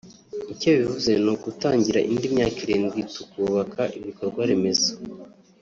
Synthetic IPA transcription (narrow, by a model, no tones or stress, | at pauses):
iceβivuze̞noɡutaːɲɟiɾaʔindimɲaːkiɾeːnɡitu̥kuːβakʰaʔiβiko̞ɾɡwaɾeme̞zḁ